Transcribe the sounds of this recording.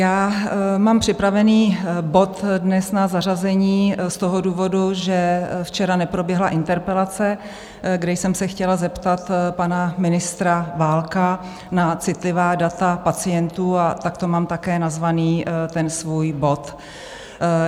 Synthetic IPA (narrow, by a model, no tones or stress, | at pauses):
jaːmaːmpr̝̥ɪpɾavɛniːbo̞t̪dnɛsnazar̝azɛɲiːst̪o̞ɦo̞duːvo̞duʒɛft͡ʃɛɾanɛpɾo̞bjɛɦlaʔɪnt̪ɛɾpɛlat͡sɛ | ɡdɛjsɛmsɛxcɛlazɛpt̪at̪panamɪnɪst̪ɾavaːlka | nat͡sɪt̪lɪvaːdat̪apat͡sɪjɛnt̪uːat̪akt̪o̞maːmt̪akɛːnazvaniːt̪ɛnsvuːjbo̞t̪